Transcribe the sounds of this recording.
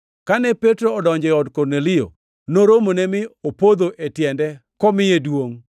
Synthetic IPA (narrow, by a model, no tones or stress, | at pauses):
kanɛpɛtɾoɔdɔɲd͡ʒɛɔdkɔrnelɪjo̰ | noɾomonemɪopod̪oʔetjɛndɛ | kɔmɪedwoŋ